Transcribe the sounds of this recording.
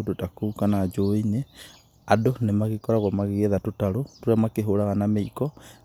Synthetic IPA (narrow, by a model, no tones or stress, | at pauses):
dotakoukanad͡ʒoine | adonemaɣekɔɾaɣwamaɣeɣeðatotaɾotoɾeamakeɦoɾaɣanameikɔ